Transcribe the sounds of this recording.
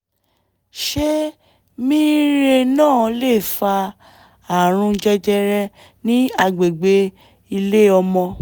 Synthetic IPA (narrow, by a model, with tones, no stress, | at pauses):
ʃe˦ | mĩ˦ɾe˧nãː˦˨˧le˦˨fa˧ | a˨ɾ̃ũ˧d͡ʒɛ˧d͡ʒɛ˧ɾɛ̃˧ | nĩ˦a˧ɡ͡be˨ɡ͡be˧˦ | i˧le˦ɔ˧mɔ̃˧